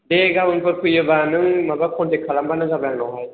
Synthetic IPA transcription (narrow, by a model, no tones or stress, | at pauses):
deɡabɯŋpɯkʰɯjɯbanɯŋmabakʰɔntekʰalambanɯŋzabɾaŋnɔɦaj